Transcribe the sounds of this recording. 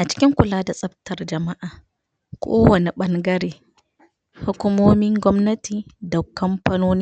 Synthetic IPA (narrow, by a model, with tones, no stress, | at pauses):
ʔa˨t͡ʃɪ̥˦kʲɪ˦ŋkʷʊ˨laː˦da˨sʼɐ˦b̚tɐ˨rd͡ʒɐ˨ma˦ʔaː˨ | kʷʰʼoː˦wɐ˨ni˨ɓɐ˦ŋɡɐ˦ɾeː˨ | hʊ˦kʷʊ˦moː˦mɪ˦ŋɡʷɔ˦mnɐ˦tiː˨dɐ˨kkːɐ˦mpɐ˦noː˦niː˦